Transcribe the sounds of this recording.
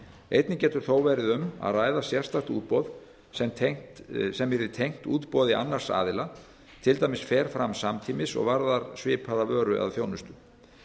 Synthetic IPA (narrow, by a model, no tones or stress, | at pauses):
ejt̪nɪcɛːt̪ʏɾ̥θoːwvɛɾɪðʏma̰ðraːjðasjɛr̥st̪ḁt̪ṵːt̪̚pɔð | sɛmt̪ʰeŋ̥sɛmɛɾɪt̪ʰejŋ̥t̪ṵːt̪pɔːðɪʔa̰nːar̥sa̰ːðɪla | t̪ʰɪlt̪ajmɪsfɛːɾ̥fɾamsamt̪ʰiːmɪsɔ̰ɣvaɾðaɾsvɪːpʰaðavœːɾʏʔa̰ðθjownʏst̪ʏ